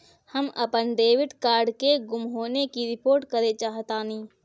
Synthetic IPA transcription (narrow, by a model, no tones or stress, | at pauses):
həmə̰pənɖeːʋɪʈkaːɾɖkeɡʊmɦoːnekiɾɪpoːɾʈkəɾet͡ʃaːɦət̪aːniː